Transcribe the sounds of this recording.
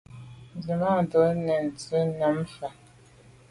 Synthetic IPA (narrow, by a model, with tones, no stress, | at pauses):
zi˨ma˦˨do˨˦nɛ˨n˨t͡si˦na˨˦mfa˨